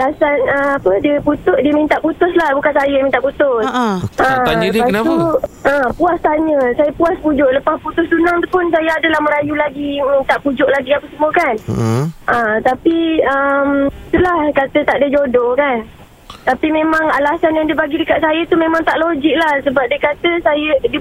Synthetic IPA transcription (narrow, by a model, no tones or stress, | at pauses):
alasanəapədiəput̪ʊʔdiəmint̪aʔput̪ʊslahbukansajamint̪aʔput̪ʊsəaɲat̪uʔəpuast̪aɲəsajapuaspud͡ʒʊʔləpasput̪ʊst̪unaŋt̪u̥pʊnsajaadəlahmə̃ɾajulaɡimint̪aʔpud͡ʒʊʔlaɡiapəsəmuakanʔət̪apiəmt̪əlahkat̪ət̪aʔdəd͡ʒodɔkan | t̪apimẽmãŋalasanjaŋdibaɡidəkaʔ̚sajət̪umemãŋt̪aʔlod͡ʒɪk̚lahsəbap̚diəkat̪əsajədi